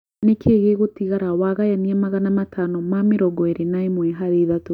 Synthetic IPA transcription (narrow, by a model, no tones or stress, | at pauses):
nekʰeːɣeɣotiɣaɾawaɣajaniɛmaɣanamatʰanɔmameɾɔɡɔeɾenaemwɛɦaðeðato